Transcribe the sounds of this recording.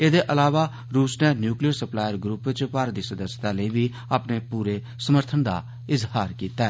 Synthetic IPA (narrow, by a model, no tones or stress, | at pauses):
eːd̪eːʔəlaːʋaː | ɾuːsneːnjuːklijəɾsəplaːjəɾɡɾuːpʋɪt͡ʃpaːɾd̪iːsəd̪əst̪aːləiːʋiː | aːpneːpuːɾeː | səməɾt̪ʰənd̪a̰ː | ɪzhaːɾkiːt̪aːɛ